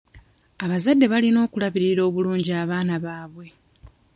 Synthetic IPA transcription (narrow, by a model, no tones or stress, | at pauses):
aβazadːe̞βalino̞ːkulaβiɾiɾo̞ːβuluːɲɟiaːβaːnaβaːβwe̞